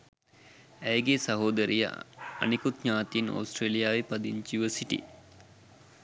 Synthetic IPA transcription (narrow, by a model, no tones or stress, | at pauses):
æjɡesɐɦoːd̪əɾijə̰a̰nikut̪ɲaːt̪ino̰ːsʈreːlijaːʋepɐd̪iɲt͡ʃiʋəsiʈḭ